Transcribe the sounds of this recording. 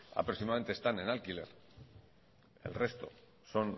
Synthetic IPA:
a̰pɾoksimaðament̪est̪ane̞nalkile̞̰ɾ | e̞̰lre̞st̪o̞̰ | so̞n

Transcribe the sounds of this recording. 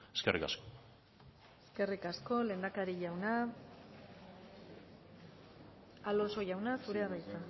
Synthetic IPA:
eskḛrʔika̰sko̥ | eske̞rikasko̞le̞ːnd̪akaɾiʝawna | alo̞so̞ʝawnasuɾe̞aβajt͡sa

